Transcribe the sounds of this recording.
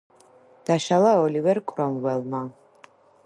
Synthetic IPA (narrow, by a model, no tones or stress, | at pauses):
d̪̥aʃalˠaɔlivɛɾkʼɾɔmvɛlˠma